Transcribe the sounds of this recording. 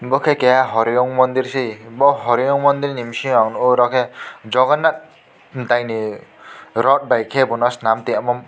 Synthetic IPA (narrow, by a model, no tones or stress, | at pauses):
bɔkʰekɛjaɦɔɾijɔŋmɔnd̪iɾsejbɔɦɔɾijɔŋmɔnd̪iɾnimsiŋaŋnɔɾɔkʰɛd͡ʒɔɡɔnːat̪̚ | dajni | ɾɔt̚bajkʰebunɔsnamt̪iamɔm